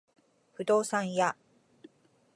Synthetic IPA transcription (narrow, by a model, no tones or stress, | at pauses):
ɸɯ̟d̪o̞ːsãɰ̃ja